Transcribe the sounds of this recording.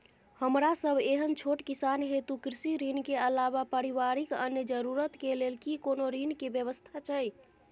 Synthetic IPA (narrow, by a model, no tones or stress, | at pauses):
həmɾasəbʱeɦənt͡ʃʰoʈkisanɦet̪ukɾisiɾinkeəlabapəɾiʋaɾikə̰njəd͡ʒəɾuɾət̪kelelkikonoɾinkebjəβəst̪ʰat͡ʃʰəj